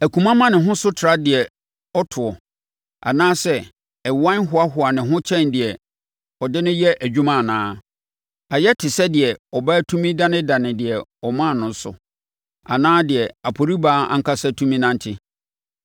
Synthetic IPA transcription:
æ˨kʰʷũ˨mã˦mã˦nɪ̃˨ɦʊ̃˦sʊ˦tʰɪ˨ɾa˦dɪ˨ɛ˨ | ɔ˦tʰʊ˨ɔ˨ | a̰˨nãː˦sɛ˦ | ɛ˨wã˦n˦ɦʊ˨a˦ɦʊ˨a˨nɪ̃˨ɦʊ̃˦t͡ɕʰɛ̃˦ndɪ˨ɛ˨ | ɔ˨dɪ˦nʊ̃˦jɛ˦ʔæ˨d͡ʑᶣu˦mã˦˨nãː˦ | a˨jɛ˦tʰɪ˨sɛ˦dɪ˨ɛ˨ɔ˨ba˦tʰũ˦mĩ˦dã˦nɪ̃˦dã˨nɪ̃˨dɪ˨ɛ˨ɔ˨mã˦˨nʊ̃˨n̩˦sʊ̰˨ | a̰˨nãː˦dɪ˨ɛ˨a˨pʰo˨ɾi˦baː˦ã̰˨ŋ̩˦kʰa˦sɛ˦tʰũ˦mĩ˦nã˦n˦tʰɪ˦

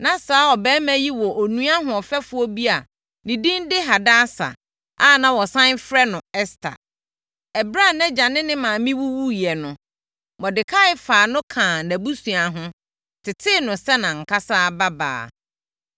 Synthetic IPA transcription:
nã˨saː˨˦ɔ˨bɛː˦mæ̃˦ji˦wɔ˨ʔo˨nũ˦a˦ɦʊ̃˨ɔ˨fɛ˦fʊ˦ɔ˦bi˦a˨ | nĩ˨dĩ˦ndɪ˦ɦa˨da˦sa̰˨ | a˦˨nã˨wɔ˨sã˦nfɾɛ˦nʊ̃˨ɛ˦stʰa̰˨ | ɛ˨bɾa˦˨nɛ̃˦d͡ʑã˨nɪ̃˦nɪ̃˦mãː˨mĩ˦wu˦wu˦jɛ˨nʊ̃˨ | mɔ˨dɪ˨kʰa˦ɪ˨˦faː˨nʊ̃˦kʰãː˨næ̃˨bu˦sũ˨a˨ɦʊ̃˦ | tʰɪ˨tʰɪ˦˨nʊ̃˨sɛ˦nã˨ŋ̩˨kʰa˦saː˦˨ba˦ba̰ː˨

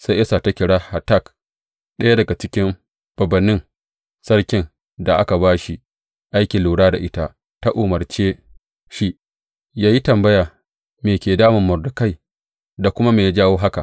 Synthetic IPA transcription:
sa˦ʔɛ˦saː˨ta˦kʲɪ˨ɽaː˦ha˨ta˦˨k | ɗɐ˦ja˦dɐ˨ɡa˨t͡ʃɪ˦kʲɪ˦m | b̥ɐ˨bɐ˨nːɪ˦ŋ | sɐ˦ɽkʲɪ˨n | da˨ʔa˦ka˨baː˦ʃi˦ | ʔa˦jkʲɪ˨luː˨ɽaː˦da˨ʔɪ˦ta˦ʔ | ta˦ʔoː˨mɐ˨rt͡ʃeː˦ | ʃi˦ | jaː˦ji˦tɐ˨mbɐ˦jaː˨ | meː˨kʲeː˨daː˦mɪ˨mːɐ˨rdʊ˨ka˦˨j | da˨kʷʊ˦ma˦meː˨ja˦d͡ʒaː˦woː˦ɦa˦ka˨ʔ

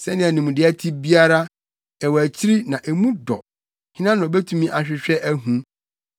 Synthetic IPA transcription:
sɛ˦nɪ̃˦æ˨nĩ˨mũ˨dɪ˦æ˦tʰi˦bi˦a˦ɾa˦ | ɛ˨wæ˨t͡ɕʰi˦ɾi˦nã˨ʔɛ˨mũ˦dɔ̰˨ | hɪ̃˦nã˦ñ˨ɔ˨bɛ˦tʰũ˦mĩ˦ʔa˨ɕᶣɪ˨ɕᶣɛ˦ʔæ˦ɦũ˦

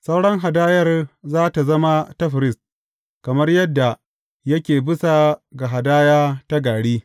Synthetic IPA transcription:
sa˦wɽɐ˦ŋɦa˨daː˦jɐ˦˨rzaː˦ta˨zɐ˦ma˦tɐ˦ɸɪ˨ɾɪ˦s | kɐ˨mɐ˦rjɐ˦dːa˨ | jɐ˦kʲeː˨bɪ˦sa˨ɡa˨ɦa˨daː˦jaː˦ta˦ɡaː˨ɽiː˦

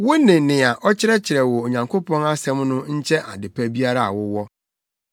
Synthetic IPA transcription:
wʊ˦nɪ̃˨nɪ̃˨a˨ʔɔ˦t͡ɕʰɪ˦ɾɛ˦t͡ɕʰɪ˨ɾɛ˨wɔ˨o˨ɲã˨ŋkʰo˦pʰɔ̃˦na˦sɛ̃˦mnʊ̃˦ɲ̩˦t͡ɕʰɛ˦ʔa̰˨dɪ˨pʰɛ˦bi˦a˦ɾa˦˨a̰˨wʊ˦wɔ˦

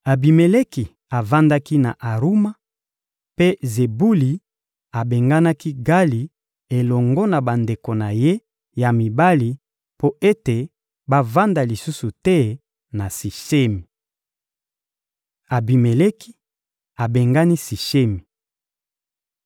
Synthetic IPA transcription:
a˨bi˨me˨le˦ki˨ | a˨va˦nda˦ki˦na˨ʔa˨ʁu˦ma˦ | pe˦ze˨bu˦li˨ | a˨be˨ŋɡa˦na˦ki˦ɡa˦li˨ | e˨lɔ˨ŋɡɔ˦na˨ba˨nde˨ko˨na˨je˦ | ja˨mi˨ba˦li˨ | po˦e˦te˨ | ba˦va˦nda˨li˨su˦su˨tɛ˦ | na˨si˨ʃe˦mi˨ | a˨bi˨me˨le˦ki̥˦ | a˨be˨ŋɡa˦ni˦si˨ʃe˦mi˨

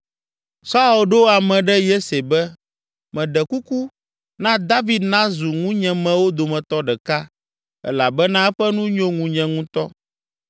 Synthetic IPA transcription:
sa˦u˨lɖo˦a˨mɛ̃˨ɖɛ˦je˦se˨bɛ˦ | mɛ̃˨ɖɛ˨ku˦ku˦ | nã˦d̪a˦vi˨d̪nã˦zu˨ŋũ˦ɲɛ̃˨mɛ̃˨wo˦d̪o˨mɛ̃˨t̪ɔ˦ɖɛ˨ka˦ | ɛ̰˦la˨bɛ˦nã˦ɛ˦ɸɛ˦nũ˦ɲõ˦ŋũ˨ɲɛ̃˦ŋũ˦t̪ɔ˦

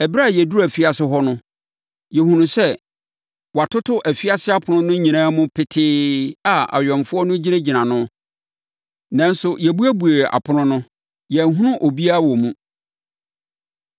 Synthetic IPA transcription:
ɛ˨ba˦˨jɛ˨du˦æ˨fi˦a˨sɪ˦ɦɔ˦nʊ̃˦ | jɛ˨hũ˨nũ˨sɛ˦ | wɔ˨a˨tʰʊ˦tʰʊ˦ʔæ˨fi˦a˦sɪ˦a˦˨pʰʊ˨nʊ̃˦nʊ̃˦ɲĩ˨nãː˦mʊ̃˦pʰɪ˦tʰɪː˦a˨a̰˨ɥᶣɔ̃˨mfʊ˦ɔ˦nʊ̃˦d͡ʑi˦nã˦d͡ʑi˨nã˨nʊ̃˦ | nã˨n̩˦sʊ˨jɛ˨bu˦æ˦bu˨e˨a̰˨pʰʊ˦nʊ̃˦nʊ̃˦ | jɛ˨ɦũ˦nʊ̃˦ʔo˨bi˦a˦wɔ˨mũ˦

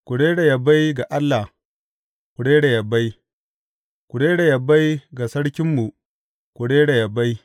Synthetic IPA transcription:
kʷu˨ɽeː˦ɽa˨jɐ˨ba˦jɡa˨ʔa˦lːa˨h | kʷu˨ɽeː˦ɽa˨jɐ˨ba˦j | kʷʊ˨ɽeː˦ɽa˨jɐ˨ba˦jɡa˨sɐ˦ɽkʲɪ˦mːu˨ | kʷu˨ɽeː˦ɽa˨jɐ˨ba˦j

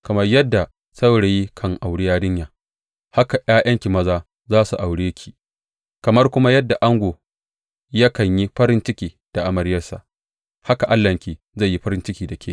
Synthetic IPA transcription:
kɐ˨mɐ˦rjɐ˦dːa˨ | sa˦wɽe˨ji˦kʰɐ˦ŋʔa˨wɽɪ˦jaː˦dɪ˦ɲjaː˨ | ha˦ka˨j̰aː˦jʔɐ˦ŋkʲi˨mɐ˦zaː˦ | zaː˦su˨ʔa˨wɽeː˦kʲʰi̥ː˦ | kɐ˨mɐ˦rkʷʊ˦ma˦jɐ˦dːa˨ʔa˦ŋɡʷoː˨ | jɐ˦kɐ˨ɲji˦ɸɐ˦ɾɪ˦nt͡ʃɪ˦kʲiː˨ | d̥a˨ʔa˨mɐ˨ɾɪ˦jɐ˦rsa̰˨ʔ | ha˦ka˨ʔa˦lːɐ˨ŋkʲiː˨ | za˦˨jːi˦ɸɐ˦ɾɪ˦nt͡ʃɪ˦kʲiː˨da˨kʰʲeː˦

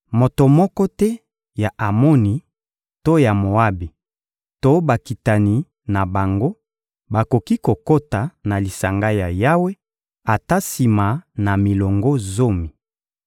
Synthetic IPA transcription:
mo˨to˨mɔ˦kɔ˦tɛ˦ | ja˨ʔa˨mo˦ni˨ | to˦ja˨mo˨a˦bi˨ | to˦ba˨ki˨ta˨ni˨ | na˨ba˨ŋɡo˦ | ba˨ko˨ki˦ko˨ko˦ta˨na˨li˨sa˨ŋɡa˦ja˨ja˦we˦ | a˨ta˦si˨ma˨na˨mi˨lɔ˨ŋɡo˦zo˦mi˨

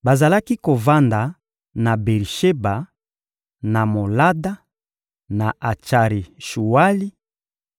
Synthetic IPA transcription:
ba˨za˨la˦ki˦ko˨va˦nda˨ | na˨be˨lʃe˦ba˨ | na˨mo˨la˦da˦ | na˨ʔa˨t͡ʃa˨ɾi˨ʃu˨wa˦li˦

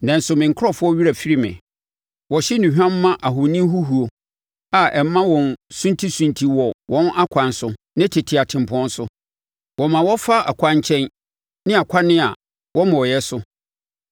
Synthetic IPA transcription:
nã˨n̩˦sʊ˨mɪ̃˨ŋ̩˨kʰɔ˦fʊ˦ɔ˦ɥi˦ɾa˨fi˦ɾi˦mɪ̰̃˨ | wɔ˨ɕi˦nũ˨hᶣã˦mː˦ã˦ʔa˨ɦʊ˨nɪ̃˦ɦu˦ɦu˨o˨ | a˨ʔɛ˨˦mã˦wɔ̃˨nsũ˦n˦tʰi˦sũ˨ntʰi˨wɔ˨wʔɔ̃˦nʔa˦kʷʰã˨nsʊ˦ | nɪ̃˦tʰɪ˨tʰɪ˨a˨tʰɪ̃˨m̩˨pʰɔ̃˦nsʊ˦ | wɔ˨mã˨wɔ˦fa˦a̰˨kʷʰã˦ɲ˦t͡ɕʰɛ̃˦n | nɪ̃˦a˨kʷʰa˦nɪ̃˦a˨ | wɔ˦mɔ̃˨ɔ˨jɛ˦sʊ˦

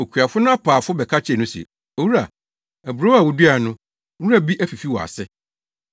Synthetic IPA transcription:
o˨kʰɥa˨fʊ˦nʊ̃˦a˦pʰaː˨fʊ˦bɛ˨kʰa˦t͡ɕʰɛ˦˨nʊ̃˦sɛ̰˨ | o˨wu˦ɾa˨ | æ˨bɾo˦a˨wʊ˨du˦a˨nʊ̃˦ | u˦a˦bi˦ʔæ˦fi˨fi˦wɔ̰˨a̰˨sɛ˦

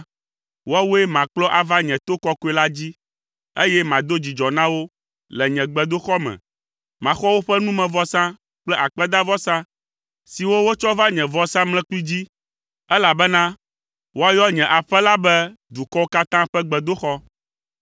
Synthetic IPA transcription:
wo˦a˦wu˦ɛ˦mã˨k͡plɔ˦ʔa˨va˦ɲɛ̃˨t̪o˦kɔ˦ku˦ɛ˦la˦d͡ʑi˦ | ḛ˦jɛ˦mã˨d̪o˦d͡ʑi˨d͡ʒɔ˨nã˦wo˦ | lɛ˨ɲɛ̃˨ɡ͡bɛ˨d̪o˦xɔ˦mɛ̰̃˨ | mã˨xɔ˦wo˦ɸɛ˦nũ˦mɛ̃˨vɔ˦sã˦ | k͡plɛ˦ʔa˨k͡pɛ˦d̪a˦vɔ˦sã˦ | si˨wo˦wo˦t͡ʃɔ˦va˦ɲɛ̃˨vɔ˦sã˦mlɛ̃˦k͡pi˦d͡ʑi˦ | ɛ˦la˨bɛ˦nã˦ | wo˦a˦jɔ˦ɲɛ̃˨ʔa˨ɸɛ˦la˦bɛ˦ | d̪u˨kɔ˦wo˦ka˦t̪ã˦ɸɛ˦ɡ͡bɛ˨d̪o˦xɔ˦

